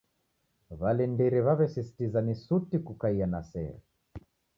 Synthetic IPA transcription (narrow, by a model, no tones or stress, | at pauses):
βalɛndiɾɛβaβɛsisi̥tizanisutikukaianasɛ̰ɾɛ